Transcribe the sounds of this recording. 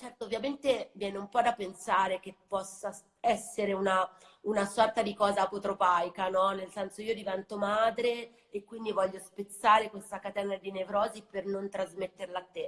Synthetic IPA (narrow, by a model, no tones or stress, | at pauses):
t͡ʃɛrt̪oovjament̪evjɛːneumpɔd̪apːensaːɾek̟epːɔsːa | ɛsːeɾeuna | unasɔrt̪ad̪ikɔːzapot̪ɾopajkanɔnelsɛnsoiːod̪ivɛnt̪omaːd̪ɾeː | kːwind̪ivɔʎːospet̪sːaːɾekwest̪akat̪ɛnad̪inevɾɔːzipernont̪ɾazmet̪ːerlaːt̪ːe